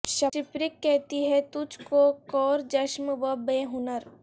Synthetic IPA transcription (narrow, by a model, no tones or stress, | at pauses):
ʃɐɪpɾɪkːɛɦt̪iɦɛt̪ʊd͡ʒkokɔːɾd͡ʒɐʃməʋəbeɦʊnəɾ